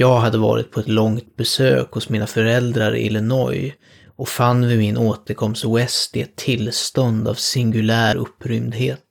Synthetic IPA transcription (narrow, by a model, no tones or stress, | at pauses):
jɑːɡɦad̪ːəvɑ̰ːɾɪ̰t̪̚pʰɔɛt̪lɔŋt̪̚bɛsø̰ːkhʊsmiːnafœɾɛld̪ɾaɾ̰ʔɪ̰lɛnɔj | ʔɔfanːvɪmɪnʔoːt̪əɾkʰɔmst̪wɛst̪ɪɛt̪ʰːɪlːst̪ɔnd̪a̰vsɪŋɡɵlæːɾɵpːɾʏmd̪heːt̪